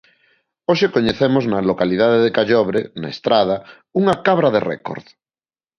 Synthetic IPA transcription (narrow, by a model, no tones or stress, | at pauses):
oʃekoɲeθemoznalokalið̞að̞eðekaʎɔβɾena̰est̪ɾað̞a | uŋakaβ̞ɾaðerḛko̰ɾð